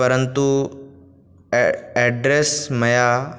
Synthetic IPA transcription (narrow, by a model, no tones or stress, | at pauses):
ɐɾənt̪u | ɛɖɾeːsmɐja